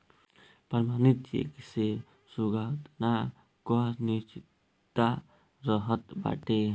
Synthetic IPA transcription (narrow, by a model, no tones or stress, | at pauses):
pəɾmanit̪jḛkise | suɡat̪na | kɔnit͡ʃi | t̪ːa | ɾəɦət̪ba̰ʈe